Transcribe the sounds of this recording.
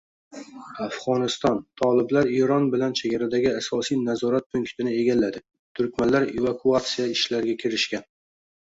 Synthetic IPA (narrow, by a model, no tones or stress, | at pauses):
afʁɒnɪst̪ɒnt̪ʰɒlˠɪblaɾeɾɒnbɪlant͡ʃʰeɡʲaɾad̪aɡʲɪasɒsijnazɒɾat̪̚pʰʊŋkt̪ʰɪnɪe̞ɡʲalːad̪ɪ | t̪ʰʊɾkʲmanlaɾevakʰuat̪sijaɪʃlaɾɪɡʲakʲʰɪɾɪʃkʲan